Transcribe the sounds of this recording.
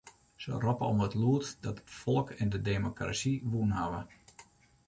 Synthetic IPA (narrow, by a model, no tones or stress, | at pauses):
sə̰rɔpəɔmətluətdɔtətfɔlˠkɛndədemokra̰siʋuənɦaʋə